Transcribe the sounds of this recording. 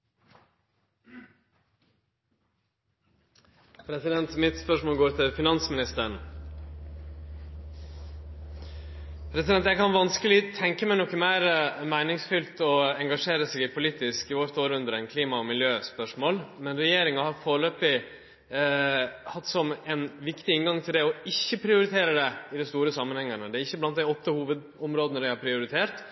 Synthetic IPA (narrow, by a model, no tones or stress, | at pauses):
pʰɾɛsɪd̪ɛnt̪mɪt̪spœʂmoːlɡoːɾt̪ʰɪlfɪnɑnsmɪnɪst̪əɳ | pʰɾɛsɪd̪ɛnt̪jæɡkʰɑnʋɑnskəlɪt̪ʰɛŋkəmæɪnɔkəmæɪɾmæɪnɪŋsfʏlt̪ɔɛŋɡɑʂeːɾəsɛːɡɪpʰʊliːt̪ɪskɪʋoːɾt̪ʰoːɾəʉnd̪əɾɛnkʰliːmɑɔmɪljøːspœʂmoːlmɛnɾɛjeːɾɪŋɑhɑɾfoːɾɭøːpɪ | hɑt̪ːsɔmɛnʋɪkt̪ɪɪnɡɑŋt̪ʰɪld̪ɛɔɪçːəpʰɾɪʊɾɪt̪ʰeːɾəd̪ɛɪd̪ɛst̪uːɾəsɑmːənhɛŋːəɳəd̪ɛɾɪçːəblɑnt̪d̪æɪɔt̪ːəhuːʋəd̪ | ɔmɾoːd̪ənəɖ̪æɪɑpʰɾɪʊɾɪt̪ʰeːɾt̪